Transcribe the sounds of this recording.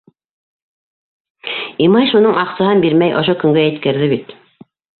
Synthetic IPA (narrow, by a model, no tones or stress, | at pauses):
imɑjʃunɤɴʔɑqsɑɦɤnbiɾmæjʔŏʃ̬okɵ̆ŋɡæjɘ̆t̪kæɾðɘβit̪